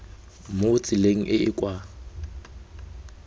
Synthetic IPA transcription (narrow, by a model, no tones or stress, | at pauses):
mot͡sʼɪleŋ̩ʔɪɪkʼwa